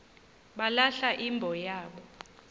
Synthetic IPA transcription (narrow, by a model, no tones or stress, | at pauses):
ɓalaɬaʔimbʱɔjaːɓɔ